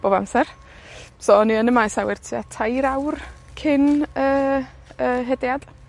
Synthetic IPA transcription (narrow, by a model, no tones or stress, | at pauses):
b̥oːba̰msɛr | soːniənəmajsawɪrtʰia̰tʰajɾawr | kʰɪnəː | əːɦɛdjad̥